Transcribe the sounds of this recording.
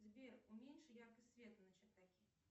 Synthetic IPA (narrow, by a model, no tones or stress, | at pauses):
zʲbʲɛrumʲenʂɨjarkɐsʲvʲɛt̪ɨnɐt͡ɕɐk̚t̪akʲi